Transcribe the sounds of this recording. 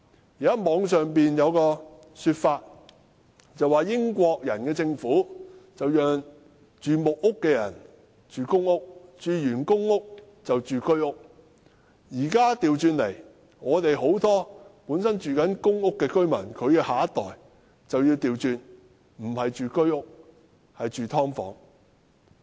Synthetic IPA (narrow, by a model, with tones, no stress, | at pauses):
ji˨ɐ˥mɔː˨˧ŋsœː˨ŋpiː˨njɐ˨˧wkɔː˧ | syː˧t̚faː˧t̚ | t͡sɐ˨waː˨˩jɪ˥ŋkʷɔː˧k̚jɐ˨˩nkɛː˧t͡sɪ˧ŋfuː˨˥t͡sɐ˨wjœː˨ŋ | t͡ʃyː˨mʊ˨k̚ːʊ˥kːɛː˧jɐ̰˨˩n | t͡ʃyː˨kʊ˥ŋʊ˥k̚t͡ʃyː˨jyː˨˩nkʊ˥ŋʊ˥k̚ | t͡sɐ˨wt͡ʃyː˨kɵ˥ɥʊ˥k̚ | jiː˨˩kaː˥t̪iː˨wt͡ʃyː˨nle˨˩j | ŋɔː˨˧t̪e˨jɦo˨˥wt̪ɔː˥puː˨˥nsɐ˥nt͡ʃyː˨kɐ˨˥nkʊ˥ŋʊ˥kːɛː˧kɵ˥ɥmɐ˨˩nkʰɵ˨˧ɥkɛː˧haː˨ɐ˥t̪ɔː˨j | t͡sɐ˨wji˧wt̪iː˨wt͡ʃyː˨˧n | m̩˨˩hɐ˨jt͡ʃyː˨kɵ˥ɥʊ˥k̚ | hɐ˨jt͡ʃyː˨˩t̪ʰɔː˥ŋfɔ̰ː˨˥ŋ